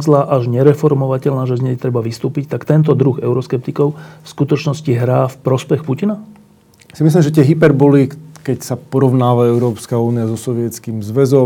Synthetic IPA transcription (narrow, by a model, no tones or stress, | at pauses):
zlaːʔaʒɲɛɾɛfɔɾmɔʋacɛʎnaːʒɛzɲɛjt̪ɾɛbaʋist̪uːpict̪akt̪ɛnt̪̬ɔd̪ɾuɣɛʊɾɔskɛp̚t̪ikɔʊfskut̪ɔt͡ʃnɔsciɦɾaːfpɾɔspɛxpucina | simislimʒɛt̪ɪɛɦipɛɾbɔlikɛcsapɔɾɔʋnaːʋaɛʊɾɔːpskauːniazɔsɔʋɪɛt͡skimzʋɛzɔ